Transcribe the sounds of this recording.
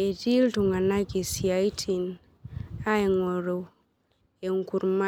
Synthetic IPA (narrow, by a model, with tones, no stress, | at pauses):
e˨ti˦ltu˨ŋɡa˨na˦ɡi˨si˨a˨jtʰi˨n | a˦e˨ŋo˨ɾo˨ | e˨ŋku˨ɾma˦